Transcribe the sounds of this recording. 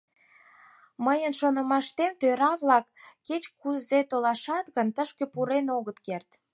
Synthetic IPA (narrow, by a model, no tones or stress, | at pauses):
məjənʃonə̆mɑʃt̪emt̪øɾɑβlɑkːet͡ɕkuzet̪olɑʃɑt̪ɣənt̪əʃkepuɾenoɣət̪kert̪